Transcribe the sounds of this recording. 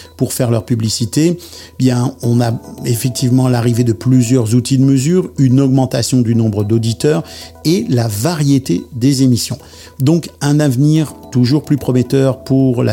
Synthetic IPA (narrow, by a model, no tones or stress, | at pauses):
puʁfɛʁlœʁpyblisit̪e | bjɛ̃ɔ̃naefɛk̚t̪ivmɑ̃laʁived̪əplyzjœʁzut̪id̪əməzyːʁynɔɡmɑ̃t̪asjɔ̃d̪ynɔ̃bʁəd̪od̪it̪œːʁelavaʁjet̪ed̪ezemisjɔ̃ | d̪ɔ̃kɛ̃navniʁt̪uʒuʁplypχɔmet̪œʁpuʁla̰